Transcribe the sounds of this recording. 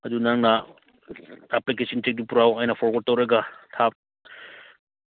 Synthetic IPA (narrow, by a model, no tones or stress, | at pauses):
ɐdunaŋnɐ | aplikesʰɐntek̚dipuɾawajnɐpʰɔɾwɐd̚tɐwɾɐɡɐtʰap̚